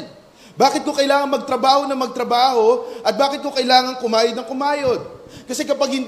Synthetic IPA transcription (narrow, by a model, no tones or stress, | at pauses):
baːkɪt̪̚ko̞kɐjlaːŋɐnmɐɡ̚t̪ɾɐbaːho̞nɐŋmɐɡ̚t̪ɾɐbaːho̞ʔɐt̪̚baːkɪt̪̚ko̞kɐjlaːŋɐŋkʊmaːjɐd̪nɐŋkʊmaːjod̪̚kɐsɛkɐpɐɡ̚hɪnd̪